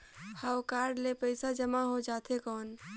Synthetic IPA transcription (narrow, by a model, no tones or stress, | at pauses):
hawkaɾɖlepəɪsad͡ʒəmaɦod͡ʒat̪ʰekɔːn